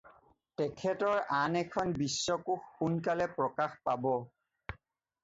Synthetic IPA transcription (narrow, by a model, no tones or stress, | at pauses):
tɛkʰɛtɔɹanɛkʰɔnbisːɔkuxːunkalɛpɹɔkaxpabɔ